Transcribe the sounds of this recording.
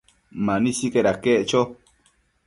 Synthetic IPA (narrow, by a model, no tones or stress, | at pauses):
mãnĩsikeɾakeʔt͡ʃo